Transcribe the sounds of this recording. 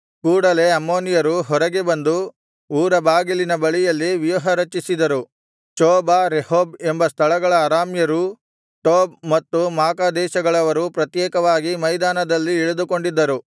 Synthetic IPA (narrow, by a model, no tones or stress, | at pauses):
kuːɽɐle̞ɐmːoːnijɐɾuɦɔɾɐɡebɐnd̪u | uːɾɐbaːɡilinɐbɐɭijɐlːiʋijuɦɐɾɐt͡ʃisid̪ɐɾu | t͡ʃoːbaɾehoːbembɐst̪ʰɐɭɐɡɐɭɐːɾaːmjɐɾu | ʈoːb̚mɐt̪ːumaːkaːd̪ɛːʃɐɡɐɭɐʋɐɾupɾɐt̪jɛːkɐʋaːɡimɐjd̪aːnɐd̪ɐlːiːɭud̪uko̞ɳɖid̪ːɐɾu